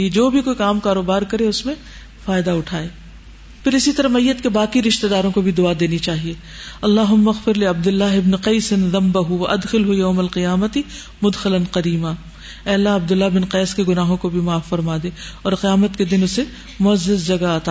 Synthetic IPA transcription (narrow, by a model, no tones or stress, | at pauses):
d͡ʒoːbʱikoːikaːmkaːɾoːbaːɾkɐɾeʊsmẽ | faːjd̪aʊʈʰaːeː | pɪɾɪsit̪ɐɾɐmɐjːət̪kebaːkiɾɪʃt̪ed̪aːɾõkobʱid̪ʊad̪eːnit͡ʃaːɦieː | ɐlːaːɦʊmːɐɣfɪɾlɪɐb̚d̪ɪlːaːɦɪbnqɐːsɪnðɐ̃mbɐɦʊʋɐʔɐd̪xɪlɦujɐːmɐlqɪjaːmət̪ɪ | mʊd̪xɪlɐnqɐɾiːmaː | ɛːlːaɐb̚d̪ʊlːabɪnqɛːskeɡʊnaːɦõkobʱimaːfːɐɾmaːd̪ẽːɔːɾqɪjaːmət̪ked̪ɪnʊse | mʊɐzːɪzd͡ʒɐɡaaːt̪aː